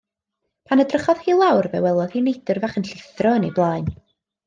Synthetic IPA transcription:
pʰanədrəχɔðhiːlˠawrvɛ̰wɛlˠɔðinejdərvaχənɬɪθrɔənḛjblˠaːɨn

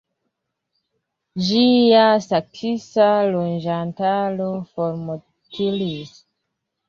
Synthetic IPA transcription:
d͡ʒiasak̚sisalond͡ʒantalofoɾmo | tʰilis

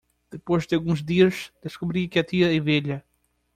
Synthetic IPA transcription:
d̪̥ɨpoʒd̪ɨalˠɣũzd̪iɐʃd̪̥eʃkuβɾiɐkɐt̪iɐeveʎɐ

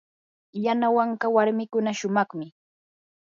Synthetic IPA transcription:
janawɑɴɢɑwaɾmɪkʊnaʃʊmɑχmɪ

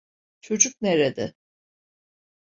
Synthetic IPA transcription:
t͡ʃʰo̞d͡ʒuk̚neɾed̪ɪ̰

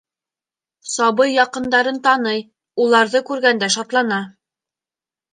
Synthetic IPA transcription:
sɑβɤjːɑqɤ̆nd̪ɑɾɤnt̪ɑnɤj | ulˠɑɾðɤkʉɾɡænd̪æʃɑt̪lˠɑnɑ

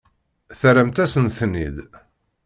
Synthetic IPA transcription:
θəɾəmt̪æsənθnːḭd̪

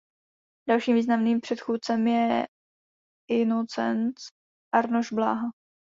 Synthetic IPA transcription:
dalʃiːmviːznamniːmpr̝̥ɛt̪xuːt̪̚t͡sɛmjɛ | ʔɪnot͡sɛ̰nt͡s | ʔaɾnoʒbla̰ːɦa

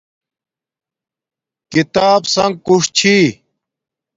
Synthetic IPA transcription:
kit̪aːbsɐŋɡ̚kuʂt͡ɕʰi

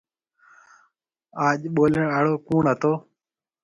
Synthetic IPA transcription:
aːʄɓoːləɳaːɽoːkuːɳɦət̪oː

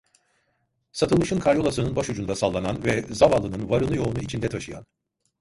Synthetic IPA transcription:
sat̪ʰɯlˠmɯʃɯnkʰaɾjo̞lˠasɯnɯnbaʃud͡ʒund̪asalˠːananvɛzavalˠːɯnɯnvaɾɯnˠɯjo̞unuit͡ʃʰind̪ɛt̪ʰaʃɯja̰n

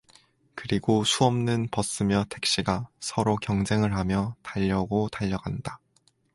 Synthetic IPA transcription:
kɯɾiɡosʰuʌmnɯnpʌs͈ɯmjʌtʰe̞k̚ɕ͈iɡasʰʌɾokjʌŋd͡ʑe̞ŋɯɭɦamjʌtaʎːʌɡotaʎːʌɡanda

